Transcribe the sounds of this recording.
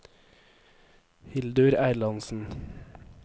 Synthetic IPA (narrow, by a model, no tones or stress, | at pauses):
hɪld̪ʉɾæɪlɑnsn̩